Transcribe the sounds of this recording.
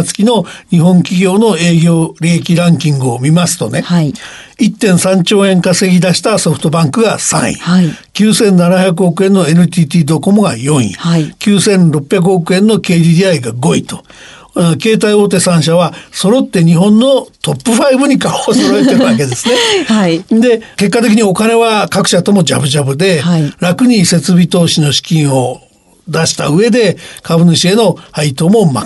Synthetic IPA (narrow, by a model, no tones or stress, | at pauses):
t͡sɨ̥kʲino̞ɲ̟iɦõ̞ŋkʲiɡʲo̞ːnoe̞ːɡʲo̞ːɾʲiekʲiɾãŋkʲĩŋɡɯ̟omʲimasɨ̥t̪o̞̰ne̞ | it̪ːẽ̞ɰ̃sãɲt͡ɕo̞ːẽ̞ŋkase̞ɡʲid̪aɕi̥t̪aso̞ɸɯ̟̥t̪o̞bãŋkɯ̟ɡa̰sã̰ɰ̃ḭ̃akʲɨːsẽ̞nːanaçʲjak̬ɯ̟o̞kɯ̟ẽ̞nːoe̞nɯ̟t̪ʲiːt̪ʲiːd̪o̞ko̞mo̞ɡa̰jõ̞ɰ̃ḭ̃akʲɨːsẽ̞nɾo̞pːjak̬ɯ̟okɯ̟ẽ̞nːo̞ke̞ːd̪ʲiːd̪ʲiaiɡaɡo̞it̪o̞ | ke̞ːt̪̬aio̞ːt̪̬e̞sãɰ̃ɕ̬aβaso̞ɾo̞t̪ːe̞ɲ̟iɦõ̞nːo̞t̪o̞pːɯ̟ɸaibɯɲ̟ikaoːsoɾoet̪eɾɯβake̞d̪e̞sɨnead̪e̞ke̞kːat̪̬e̞k̬ʲiɲ̟io̞kane̞βakakɯ̟̥ɕat̪o̞mo̞d͡ʑabɯ̟ʑabɯ̟d̪e̞ɾakɯ̟ɲ̟ise̞t͡sɨbʲit̪o̞ːɕino̞ɕi̥kʲĩɰ̃o̞ | d̪aɕi̥t̪a̰ɯ̟e̞d̪e̞kʰabɯ̟nɯɕie̞no̞ait̪oːmo̞ma̰